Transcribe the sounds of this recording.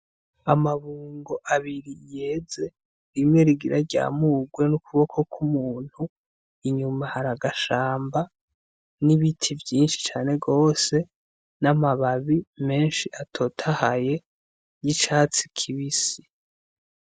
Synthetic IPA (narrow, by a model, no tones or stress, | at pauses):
amaβuːŋɡo̞ʔaβiɾije̞ːze̞ | ɾimŋeɾiɡiɾaɾɟa̰ːmuːɡwe̞nukuβo̞kʰo̞kʰumuːn̥hu | iɲumahaɾaɡaʃaːmba | niβitʰivjiːnʃi̥t͡ʃaːne̞ɡo̞ːse̞ | namaβaβime̞ːnʃiʔatʰo̞tʰahaje̞ | jit͡ʃaːt͡si̥kʰiβisi